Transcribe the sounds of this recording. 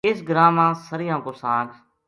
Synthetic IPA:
ɪsɡəɾaːmãːsəɾɪjãːkʊɾsaːn

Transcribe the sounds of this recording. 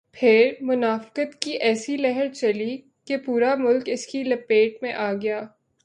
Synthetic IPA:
pʰɪɾmʊnaːfkət̪kiʔɛːsilɛɦɛɾt͡ʃɐli | kepuːɾamʊlkɪskilɐpeːʈmẽʔaːɡɐjaː

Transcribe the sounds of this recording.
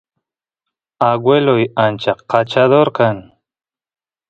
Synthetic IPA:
aɡwelojant͡ʃaqat͡ʃad̪oɾkan

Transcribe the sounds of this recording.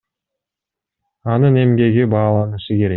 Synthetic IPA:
ɑnɯne̞mɡe̞ɡibɑːlˠɑnɯʃɯke̞ɾe

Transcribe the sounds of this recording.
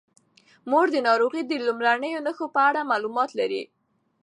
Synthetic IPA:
moɽd̪ənɑɾoɣid̪əlumɾanəjonəxopəaɽamɑlumɑt̪laɾḭ

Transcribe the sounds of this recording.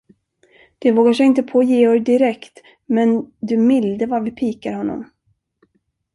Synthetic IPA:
d̪̥ɛvoːɡaʂɛjɪnt̪əpʰoːjeːɔɾd̪ɪɾɛkt̪ | mɛnd̪ɵmɪld̪əvaɾvɪpʰiːkaɾhɔnːɔ̰m

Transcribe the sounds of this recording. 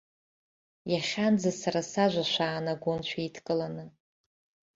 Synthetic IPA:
jaχʲand͡zasaɾasaʒʷaʃʷaːnaɡʷont͡ʃʷʰaitʰkʼɨlanɨ

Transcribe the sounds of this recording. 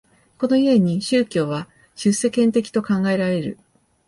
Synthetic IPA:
ko̞no̞ie̞ɲ̟iɕɨːkʲo̞ːβa | ɕɨse̞kẽnt̪e̞kʲi̥t̪o̞kãŋɡae̞ɾaɾe̞ɾɯ̟̰

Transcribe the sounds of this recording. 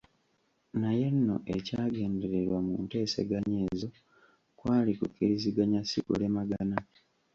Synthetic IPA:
naje̞nːo̞̰ʔe̞caːɡe̞ːnde̞ɾe̞ɾwamunte̞ːse̞̰ɡaɲe̞ːzo̞ | kwaːlikukʰiiziɡaɲasikṵlemaɡana

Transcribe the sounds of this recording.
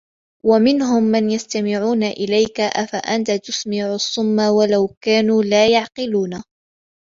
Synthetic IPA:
wamɪnɦʊmːanjast̪amɪʕuːnaʔɪlajkaʔafaʔant̪at̪ʊsmɪʕʊsˤːʊmːawalawkaːnuːlaːjɑʕqɪluːna

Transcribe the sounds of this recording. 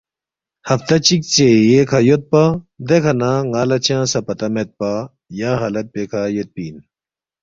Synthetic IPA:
hɐft̪ɐt͡ɕik̚t͡ɕejekʰɐjot̪̚pa | d̪ekʰɐnaːŋaːlɐt͡ɕʰãːsɐpɐt̪ɐmet̪̚pa | jaːɦɐlɐt̪̚pekʰaːjot̪̚piːn

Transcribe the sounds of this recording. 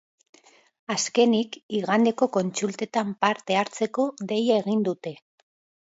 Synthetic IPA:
aske̞nikiɣand̪e̞ko̞ko̞nt͡sult̪e̞t̪ampaɾt̪e̞aɾt͡se̞ko̞ðe̞jaeɣ̞ind̪ut̪e̞

